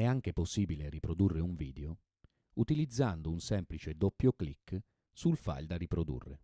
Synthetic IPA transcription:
ɛaŋk̟eposːiːbileɾipɾod̪urːeuɱviːd̪eo | ut̪ilid̪zːand̪ounsɛmplit͡ʃed̪opːjoklikː | sulfa̰ld̪aripɾod̪ṵrːḛ

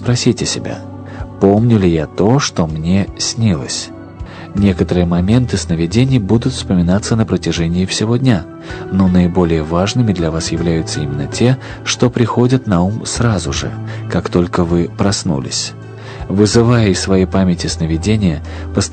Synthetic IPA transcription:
spɾɐsʲitʲɪsʲɪbʲa̰ | po̞mnʲʊlʲɪjat̪o̞ʂt̪o̞mnʲe̞sʲnʲilˠə̰sʲ | nʲe̞kət̪əɾɨjəmɐmʲe̞nt̪ɨsnəvʲɪdʲenʲɪjbud̪ʊt̪fspəmʲɪnat̪sənəpɾətʲɪʐɛnʲɪːɪfsʲɪvo̞dʲnʲa | no̞nəɪbo̞lʲɪjəvaʐnɨmʲɪd̪lʲɐvasjɪvlʲæjʊt̪səimʲɪnːətʲe̞ | ʂt̪o̞pɾʲɪxo̞dʲət̪nɐumsrazʊʐɨ̰kakt̪o̞lʲkəvɨpɾɐsnṵlʲɪ̰sʲ | vɨzɨvajəɪsvɐjejpamʲɪtʲɪsnəvʲɪdʲenʲɪjə | pəst̪

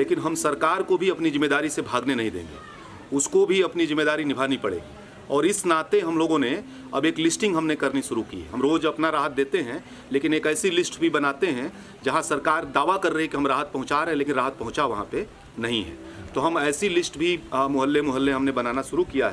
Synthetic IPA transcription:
leːkɪnɦɐmsɐɾkaːɾkobʱiɐpnizɪmːed̪aːɾisebʱaːɡnenɐɦĩd̪ḛ̃ːŋɡḛː | ʊskobʱiɐpnizɪmːed̪aːɾinɪbʱaːnipɐɽḛːɡi | ɔːɾɪsnaːt̪eɦɐmloːɡõne | ɐbeːklɪsʈɪ̃ŋɡɦɐmnekɐɾniʃʊɾukḭɦɐmɾoːd͡ʒɐpnaɾaːɦət̪̚d̪eːt̪eɦɛ̃ | leːkɪneːkɛːsilɪsʈbʱibɐnaːt̪eɦɛ̃ | d͡ʒɐɦãsɐɾkaːɾd̪aːʋakɐɾːəɦekiɦɐmɾaːɦət̪̚pɐɦʊ̃t͡ʃaːɾeɦɛ̃leːkɪnɾaːɦət̪̚pɐɦʊ̃t͡ʃaʋɐɦãpe | nɐɦĩɦɛ̰̃ːt̪oɦɐmɛːsilɪsʈbʱimʊɦəlːemʊɦəlːeɦɐmnebɐnaːnaʃʊɾukijaɦɛ

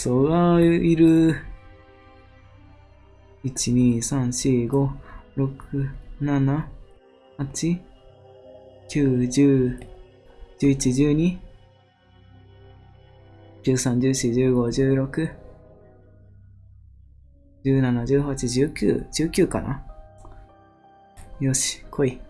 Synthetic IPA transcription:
soaiɾɯ̟ | it͡ɕiɲ̟iːsãɰ̃ɕiɡo̞ɾo̞kʰɯ̟nana | hat͡ɕi | kʲɨːd͡ʑɨː | d͡ʑɨːit͡ɕiʑɨːɲ̟i | kʲɨːsãɲ̟d͡ʑɨːɕid͡ʑɨːɡo̞d͡ʑɨːɾo̞kɯ̟ | d͡ʑɨːnanad͡ʑɨːhat͡ɕiʑɨːkʲɨ̰ːd͡ʑɨːkʲɨːka̰nʔa̰ | jo̞ɕi̥kʰoi

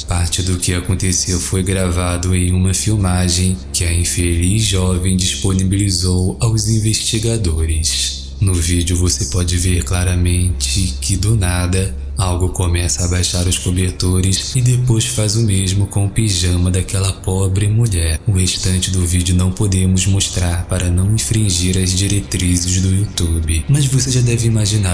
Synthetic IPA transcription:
paɾt͡ʃɪd̪ʊkɪakõnt̪esewfojɡɾavad̪ʊẽj̃ũmɐfiwmaʒẽj̃kɪɐĩfelizʒɔvẽj̃d͡ʒisponibilizowawzĩveʃt͡ʃiɡad̪oɾɪs | nʊvid͡ʒʊvosepɔd͡ʒɪveɾklaɾɐmẽnt͡ʃɪkʰɪd̪ʊnad̪ɐ | awɡʊkomɛsɐabajʃaɾʊskobeɾt̪oɾɪsɪd̪epojsfazʊmeʒmʊkõw̃ʊpiʒɐ̃mɐd̪akɛlɐpɔbɾɪmuʎɛɾʊheʃt̪ɐ̃nt͡ʃɪd̪ʊvid͡ʒɪʊnɐ̃w̃pod̪ẽmʊzmoʃt̪ɾaɾpaɾɐnɐ̃w̃ĩfɾĩʒiɾɐzd͡ʒiɾet̪ɾizɪzd̪ʊut̪ubɪmɐzvoseʒad̪ɛvɪimaʒina

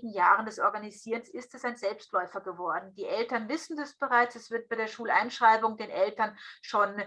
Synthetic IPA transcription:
ɡŋ̩jaːʁəndɛsʔɔɐɡaniziːʁənsɪstɛsaɪnzɛlpstlɔʏfɐɡəvɔɐdn̩d̥iːʔɛltɐnvɪsn̩dɛsb̥əʁaɪt͡sɛsv̥ɪɐt̚b̥aɪdeːɐʃuːlʔa̰ɪnʃʁ̥aɪbʊŋdeːnʔɛltɐnʃoːn

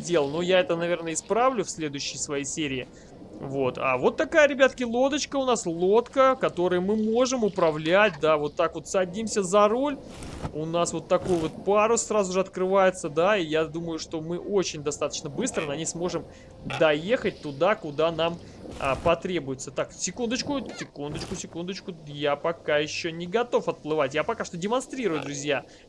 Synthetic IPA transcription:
dʲelˠnujaɛt̪ənɐvʲe̞rnəɪspɾavlʲʊfsʲlʲe̞d̪ʊjʉɕːɪjsvɐjejsʲeɾʲɪː | vo̞t̪ʰa̰vo̞t̪ːɐkajəɾʲɪbʲat̪ə̥kʲɪlˠo̞d̪ət͡ɕkəʊnaslˠo̞t̪kəkɐt̪o̞ɾəjəmɨmo̞ʐɨmʊpɾɐvlʲæt̚ʲd̪avo̞t̪ːakvo̞t̪sɐdʲimsʲəzɐɾo̞lʲ | ʊnasvo̞t̪ːɐko̞jvo̞t̪̚paɾʊsːrazʊʐɨɐt̪kɾɨvajɪt̪səd̪aijad̪uməjʊʂt̪o̞mɨʔo̞t͡ɕɪnʲd̪ɐst̪at̪ə̥t͡ɕnəbɨst̪ɾənɐnʲejsmo̞ʐɨm | d̪ɐjexət̚ʲt̪ʊd̪akʊd̪an̪am | əpɐt̪ɾʲe̞bʊjɪt̪sət̪aksʲɪkund̪ət͡ɕkʊsʲɪkund̪ət͡ɕkʊsʲɪkund̪ət͡ɕkʊjapɐkajɪɕːonʲɪɡɐt̪o̞fɐt̪̚plˠɨvatʲjapɐkaʂt̪o̞dʲɪmɐnst̪ɾʲiɾʊjʊd̪ɾʊzʲja

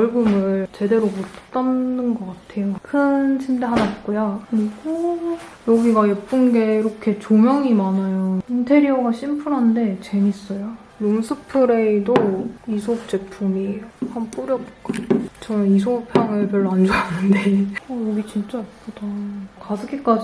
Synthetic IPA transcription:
ʌɭɡɯmɯɭt͡ɕe̞de̞ɾomott͈aɯnɡʌk͈atʰe̞jokʰɯnɕʰimdeɦanat̚k͈ojakɯɾiɡojʌɡiɡajep͈ɯnɡe̞iɾʌkʰe̞t͡ɕomjʌŋimanajointʰe̞ɾiʌɡaɕʰimpʰuɾɦande̞t͡ɕe̞mis͈ʌjo | nomsʰɯpʰɯɾe̞idoisʰop̚t͡ɕ͈e̞pʰumihanp͈uɾjʌbok͈at͡ɕʌnɯnisʰopʰjaŋɯɭp̬jʌɭːoand͡ʑanɯnde̞ʌjʌɡit͡ɕint͡ɕ͈aik͈od̥akadɯɡik͈ad͡ʑ

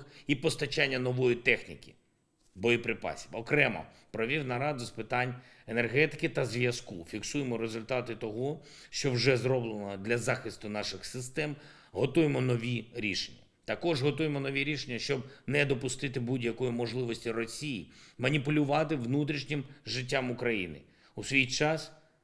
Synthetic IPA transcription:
ipɔst̪ɐt͡ʃanʲːɐnɔʋɔjit̪ɛxnʲḭkʲi̥ | bɔjipɾɪpɑ̰sʲiʋɔkɾɛmɐ̰ | pɾɔʋʲiwnɐɾɑd̪ʊspɪt̪ɑnʲ | enerɦɛt̪ɪ̥kɪt̪ɐzʋʲjɐskufʲiksujemɔɾezʊlʲt̪ɑt̪ɪt̪ɔɦɔ | ʃt͡ʃɔwʒɛzrɔblˠenɔd̪lʲɐzɑxɪst̪ʊnɑʃɪxsɪst̪ɛm | ɦɔt̪ujemɔnɔʋʲiɾʲiʃenʲːɐ | t̪ɐkɔʒɦɔt̪ujemɔnɔʋʲiɾʲiʃenʲːɐʃt͡ʃɔbnɛd̪ɔpʊst̪ɪt̪ɪbudʲjɐkɔjimɔʒlˠɪʋɔsʲtʲirɔsʲijimɐnʲipʊlʲʊʋɑt̪ɪʋnut̪̬ɾʲiʃnʲɪmʒɪt̬ʲːamʊkɾɐjḭnɪ̰ | usʲʋʲijt͡ʃɑs

